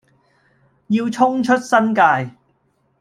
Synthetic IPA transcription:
jiː˧wt͡ʃʰʊ˥ŋt͡ʃʰɵ˥t̚sɐ˥nkaː˧j

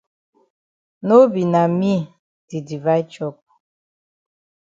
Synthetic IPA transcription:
no˦bi˨na˨mi˦ | di˨di˨va˦jt͡ʃɔ˦˨p̚

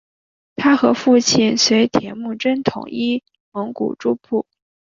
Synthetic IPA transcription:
t̪ʰa˥xɤ˧˥fu˥˧t͡ɕʰi˥˩nswe˧˥ɪt̪ʰjɛ˧˥nmu˥˩ʈ͡ʂə˥nt̪ʰʊ̰˨˩ŋi˥ | mɤ˧˥ŋkṵ˨˩ʈ͡ʂu˥pʰu˥˩

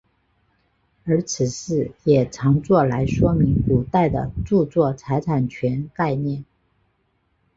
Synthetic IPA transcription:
ə˞˧˥t͡sʰɹ̩˨˩ʂɻ̩˥˩jɛ˨˩ʈ͡ʂʰɑ˧˥ŋt͡swɔ˥˩la˧˥ɪʂwɔ˥mi˧˥ŋku˨˩t̪a˥˩ɪd̪ə̰˩ʈ͡ʂu˥˧t͡swɔ˥˩t͡sʰa˧˥ɪʈ͡ʂʰa˨˩nt͡ɕʰɥɛ˧˥nka˥˧ɪnjɛ˥˩n

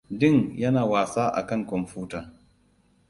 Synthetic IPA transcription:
dɪ˦ŋjɐ˦naː˨waː˨saː˦ʔa̰˨kɐ˦ŋkɔ˨mɸuː˦taː˨

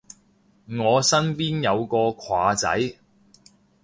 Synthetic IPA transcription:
ŋɔː˨˧sɐ˥npiː˥njɐ˨˧wkɔː˧kʷʰwaː˨˧t͡sɐ̰˨˥j

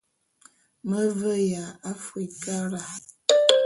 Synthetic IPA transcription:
mə˦və˦ja˨a˦fi˨ka˦ɾa˨

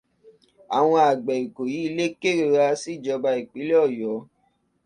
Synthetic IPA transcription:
a˨w̃ɔ̃˧a˨ɡ͡bɛ˨i˨ko˨ji˨˦i˧le˦ke˦˨ɾe˧˨ɾa˧˦si˦˨d͡ʒɔ˧ba˧i˨k͡pi˨˦le˦ɔ˦˨jɔ˨˦

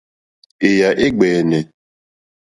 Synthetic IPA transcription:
ɪ˨ja˨ʔɪ˦ɡ͡be˨ne˨

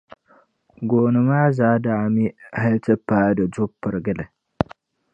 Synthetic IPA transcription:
ɡoː˨nɨ˨maː˦zaː˦daː˨mi˦ha˦ltɨ˦pːaː˦dɐ˨d͡ʒʊ˦pːɨ˨ɾɡɨ˦lɨ˨

